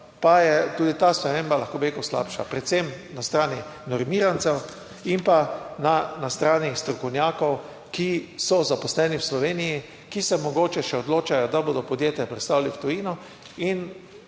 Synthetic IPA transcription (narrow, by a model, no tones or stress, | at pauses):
pajɛt̪uːd̪it̪aːspɾɛmeːmbalaxkoːbeeikɔsla̰ːpʃa̰pɾɛt̪semnast̪ɾaːninɔɾmiːɾansɛw | impananast̪ɾaːnist̪ɾɔkɔwnjaːkɔw | kisɔzapɔslɛniwslɔʋeːniji | kisɛmɔɡoːt͡ʃɛʃɛɔd̪loːt͡ʃajɔd̪aboːd̪ɔpɔd̪jeːt̪jɛpɾɛt̪st̪awlliwt̪ɔjiːnɔ | in